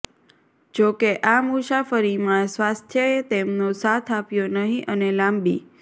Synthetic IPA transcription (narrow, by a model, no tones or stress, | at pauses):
d͡ʒokeʔamuʃafəɾimãsʋast̪ʰjəet̪emnosat̪ʰapjonəɦĩʔənelãmbḭ